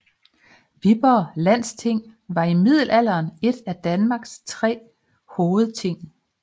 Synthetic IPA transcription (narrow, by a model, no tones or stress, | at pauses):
ʋib̥ɐlæn̰st͡sʰe̝ŋ̰ʋɑ̈imið̞̰ˠl̩æl̰ɐːne̝d̥æd̥ænmɑ̈ːɡ̥st͡sʰʁɛ̰ː | hoːð̩ˠt͡sʰe̝ŋ̰